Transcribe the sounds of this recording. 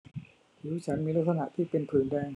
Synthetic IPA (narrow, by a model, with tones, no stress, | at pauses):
t̪ʰi˨˦t͡ɕʰa˦˥nmiː˧la˦˥t̪̚ʰa˧na̰˨ʔt̪ʰiː˥˩pe˧npʰɯː˨˩ndɛː˧ŋ